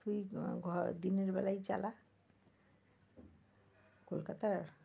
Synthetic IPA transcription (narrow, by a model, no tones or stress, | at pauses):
t̪ujɡʱd̪ineɾbɛlajt͡ɕa̰la | kolkat̪aɾ